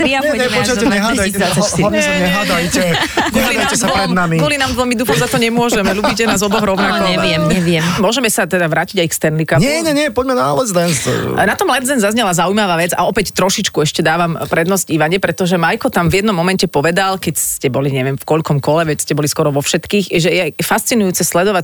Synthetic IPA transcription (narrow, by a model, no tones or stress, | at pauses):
t̪ɾiaɲɛɲɛɔt͡ʃaɛɲɛɦad̪ajaaɲɲɛɦad̪ajcɛɡɔliaɛsapɾɛdnamiɡɔlinamʋɛlmid̪uːxɔzat̪ɔɲɛmʊɔʒɛmɛʎuːbicɛnaːzɔbɔɣɾɔʊnakɔɲɛʋɪɛmɲɛʋɪjɛmmɔʒɛmɛsat̪ɛd̪aʋɾaːciɟajkst̪ɛnlikamɲɛɲɛɲɛpɔɟmɛna̰ːlɛzd̪ɛnst̪ɔ̰nat̪ɔmlɛd̪zɛnzazɲɛlazaujmaʋaːʋɛd͡za̰ɔpɛct̪ɾɔʃit͡ʃkuɛʃcɛd̪aːʋampɾɛd̪nɔzɟiʋaɲɛpɾɛt̪ɔʒɛmajkɔt̪amvjɛd̪nɔmːɔmɛncɛpɔʋɛd̪alkɛcscɛbɔliɲɛʋjɛmfkɔʎkɔmkɔlɛʋɛcscɛbɔliskwɔɾɔʋɔfʃɛt̪kiːxʒɛjɛfast͡sinujuːt͡sɛslɛd̪ɔʋac